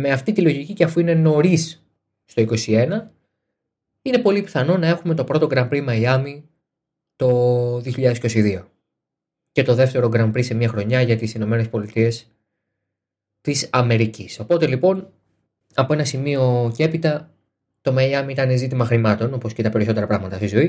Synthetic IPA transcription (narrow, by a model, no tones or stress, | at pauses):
me̞ɐft̪it̪ilo̞ʝiciceɐfuine̞no̞ɾis | st̪o̞iko̞sie̞nɐ | ine̞po̞lipiθɐno̞nɐe̞xume̞t̪o̞pɾo̞t̪o̞ɡɾɐmpɾimɐiɐmi | t̪o̞ðioçiʎɐðesiko̞siðio̞ | ce̞t̪o̞ðe̞ft̪e̞ɾo̞ɡɾɐmpɾise̞miɐxɾo̞ɲɐʝɐt̪isino̞me̞nespo̞lit̪ie̞s | t̪isɐme̞ɾicisopo̞t̪e̞lipo̞n | ɐpo̞e̞nɐsimio̞ce̞pit̪ɐ | t̪o̞mɐiɐmiit̪ɐne̞zit̪̬imɐxɾimɐt̪o̞no̞po̞scet̪ɐpe̞ɾiso̞t̪e̞ɾɐpɾɐɣmɐt̪ɐst̪izo̞i